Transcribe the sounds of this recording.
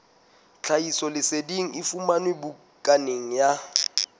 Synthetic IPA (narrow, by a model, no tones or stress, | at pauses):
t͡ɬʰaisɔlɪsediŋ̩ifumanwɪbu | kʼaneŋ̩ja